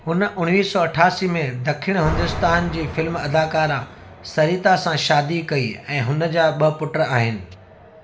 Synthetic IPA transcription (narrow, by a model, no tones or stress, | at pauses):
ɦʊnʔʊɽ̃ʋiːsɔɐʈʰaːsimẽd̪ɐkʰɪɽ̃ɦʊ̃nd̪ʊst̪aːnd͡ʑiːfɪlmɐd̪aːkaːɾa | sɐɾiːt̪asãʃaːd̪ikɐiɛ̃ːɦʊnə̆d͡ʑaːɓɐpʊʈəɾaːɦɪnɪ̆